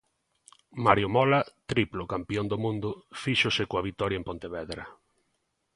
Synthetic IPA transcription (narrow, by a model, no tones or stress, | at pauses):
maɾjomɔlat̪ɾiplokampiond̪omũnd̪ʊfiʃosɪkoaβit̪ɔɾjɐempont̪eβɛðɾɐ